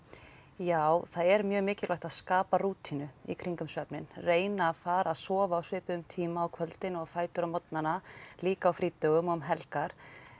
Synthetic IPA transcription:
jaːwθaðɛɾmjœːɣmɪːcɪlajxt̪aðskaːpaɾuːt̪ʰinʏḭkʰɾiŋkʏmsvœpnɪnreːjnaːfaːɾaðsɔːvaawsvɪːpʏʏmt̪ʰiːmaɔwkʰvœlt̪ɪnɔɣfaːjt̪ʏɾamɔt̪nanaliːkaːwfɾiːt̪œɣʏmɔɣʏmɦɛlkaɾ̥

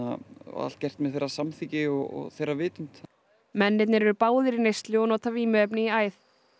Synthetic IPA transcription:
a̰a̰l̥t̪̚cɛr̥t̪mɛðθejrasamθicɪɔɔ̰ɣθejravɪːt̪ʏm̥t̪ | mɛnːɪt̪nɪɾɛɾpaːwðɪɾinejst̪lɪɔnɔt̪ʰaviːmʏœpnɪiaːjθ

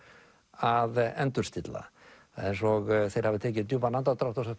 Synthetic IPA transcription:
aðɛnt̪ʏɾ̥st̪ɪt̪la̰ | ɛjnsɔɣθejɾ̥havɪt̪ʰɛːcɪt̪juvanant̪at̪ɾaft̪ɔsa

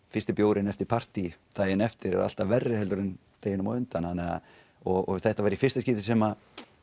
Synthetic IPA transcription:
fɪ̥st̪ɪpjoːwɾɪnɛft̪ɪɾpʰar̥t̪it̪ʰaːjɪnɛft̪ɪɾɛ̰ɾa̰l̥t̪avɛrːɪhɛlt̪ʏɾʏn | t̪eːjɪnʏmaʏnt̪anhanːɛɣa̰ | ɔɣɔ̰θɛht̪avaːɾifɪr̥st̪asciːt̪ɪsɛma

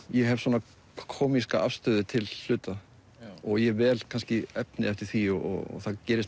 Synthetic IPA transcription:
jɛɦɛvsɔːna | kʰɔːmiskaa̰fst̪œːðɪt̪ʰɪl̥ːʏːt̪a | ɔɣjɛvɛːlkʰanscɪɛpnɪɛft̪ɪɾ̥θiɔɔ̰ɔ̰θaðcɛːɾɪs

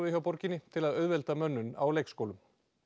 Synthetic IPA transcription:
vɪçawpɔɾcɪnːɪt̪ʰɪlaðœɥðvɛlt̪amœnːʏna̰wlejkskoːwlʏm

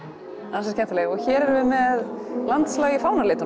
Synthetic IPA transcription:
ansɛɾ̥cʰɛmt̪leːɣɔɣçɛːɾɛɾvɪmɛðlant̪slaːɣɪfaːwnaɾlɪːt̪ʏ

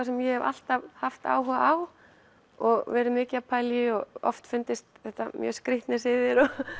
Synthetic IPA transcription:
asɛmjɛhɛva̰l̥t̪avhaft̪a̰ːwɦʏːɣaaw | ɔɣvɛːɾʏmɪːcɪapʰaːjljɪɔɣɔ̰ft̪fʏnt̪ɪst̪θɛht̪amjœ̰ːskɾɪht̪nɪsɪːðɪɾɔ

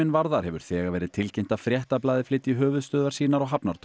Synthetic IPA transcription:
ɪnvaɾðaɾ̥hɛvʏɾ̥θɛːɣaɾvɛːɾɪðt̪ʰɪlcejm̥t̪afɾjɛht̪ap̬laːðɪflɪːt̪iɦœːvʏðst̪œːðaɾ̥siːnaɾɔɣɦapnaɾt̪ʰ

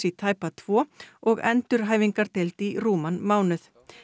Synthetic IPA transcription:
it̪ʰaːjpat̪ʰvɔːɔɣɛ̰nt̪ʏɾ̥ɦaːjvɪŋkaɾ̥t̪ʰɪlt̪iɾuːmanmaːwnʏθ

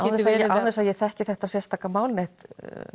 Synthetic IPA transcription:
awɛsaɛawθɛsaðjɛθɛhcɪθɛht̪asjɛst̪aːkamaːwlneht̪

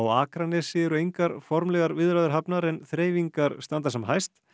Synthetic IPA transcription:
waːkɾanɛsɪɛɾʏejŋkaɾfɔɾmlɛɣaɾvɪðɾaðɪɾ̥ɦapnaɾɛnθɾeːjviŋkaɾst̪ant̪asɛmɦajst̪

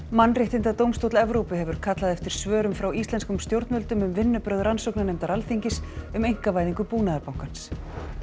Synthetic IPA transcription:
manːrɪht̪ɪnt̪at̪owmst̪owt̪lɛvɾowpɪɦɛvʏɾ̥kʰat̪laðɛft̪ɪɾ̥svœːɾʏmfɾawist̪ɛnskʏmst̪jowɾt̪nmœlt̪ʏmʏmvɪnːʏpɾœðɾansɔwknanejmt̪aɾalθiɲcɪsʏmejŋ̥kavaːjðiŋkʏpuːnaðaɾpawŋ̥kans

